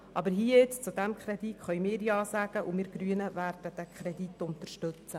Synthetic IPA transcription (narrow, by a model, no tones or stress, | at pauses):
ʔɑbəɾɦiːjɛt͡st͡sud̪æmkχɾɛd̪itχœʏmɪːɾjɑːsæɡ̥əʔumɪːɾɡ̥ɾyənəvæːrd̥əd̥̪ækʰχɾɛd̪itʊnt̪əʃtɵt͡sə